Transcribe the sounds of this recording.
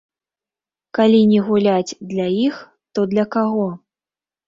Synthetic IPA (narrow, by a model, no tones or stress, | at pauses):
kalʲinʲɛɣulʲad͡zʲd̪lʲajix | t̪ɔd̪lʲɐkaɣɔ